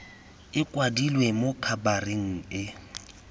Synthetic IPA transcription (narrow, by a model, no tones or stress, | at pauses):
ɪkʼwadilwemokʰabareŋ̩ɪ